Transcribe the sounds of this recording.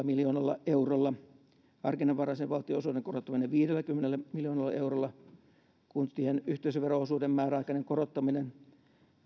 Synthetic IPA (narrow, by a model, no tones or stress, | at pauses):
miljoːnɑlːɑeurolːɑ | ɑrkinːɑʋʋɑrɑiseʋʋɑlt̪ːˑioosuːdeŋkorot̪ːɑmineʋiːdelːækymːenelːæmiljoːnɑlːɑ̰eurolːɑ | kunsihenyht̪eiseʋʋeroosuːdemmæːræɑikɑneŋkorot̪ːɑminen